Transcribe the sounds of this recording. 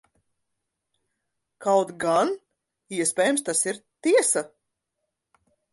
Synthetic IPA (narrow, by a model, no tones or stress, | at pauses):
kawt̪ɡan | iɛspʲɛːjumst̪asiɾt̪iɛsa